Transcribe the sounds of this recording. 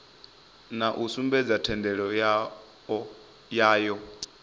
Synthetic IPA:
naʔusumbɛd͡zatʰɛndɛɺɔ | jaːjɔ

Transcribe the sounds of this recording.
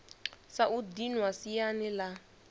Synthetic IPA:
saʔudinwasijanɛla

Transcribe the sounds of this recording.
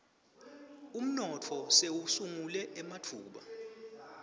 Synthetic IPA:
um̩nɔtʰɔseusuŋulɛʔɛmatʰuːɓa̰

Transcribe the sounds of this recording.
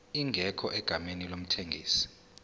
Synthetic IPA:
iŋʱɛkʰɔʔɛɡ̥ʱamenilom̩tʰeŋɡʱḭːsi̥

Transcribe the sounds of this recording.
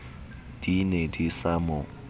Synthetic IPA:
d̥inedisamʊ

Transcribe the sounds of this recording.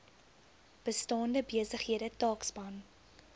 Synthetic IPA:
b̥əstɑːndəbiəsəχɦiəɾətɑːksbɐn

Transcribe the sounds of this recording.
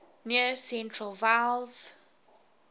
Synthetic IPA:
niəsɛ̃ntʰɹəlvalz

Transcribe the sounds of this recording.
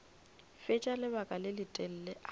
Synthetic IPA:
fɪt͡ʃʼalɪbakʼalɪlɪtʼɛl̩lɛʔ

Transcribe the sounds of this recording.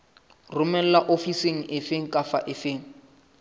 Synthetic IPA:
rʊmɛl̩laʔofiseŋ̩ʔɪfeŋ̩kʼafa̰ʔɪfeːŋ̩

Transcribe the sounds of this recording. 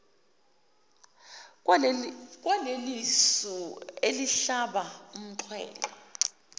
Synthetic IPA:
k̬ʼwanelisɔeliɬaɓaum̩ǀʰwɛ̰ːkɔ

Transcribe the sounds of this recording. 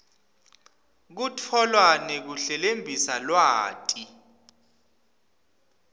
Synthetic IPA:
k̬utʰɔlwanek̬uɬɛlembʱisalwaːtʼi

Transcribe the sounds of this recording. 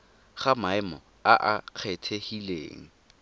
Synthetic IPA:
χamaɪmɔ̰ | aʔaq͡χʰɛtʰehilḛːŋ̩

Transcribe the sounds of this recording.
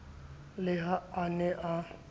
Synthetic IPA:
lɪɦaanɛʔa

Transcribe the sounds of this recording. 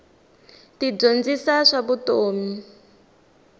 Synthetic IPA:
tib͡ʐond͡zisaʂaβutoːmi

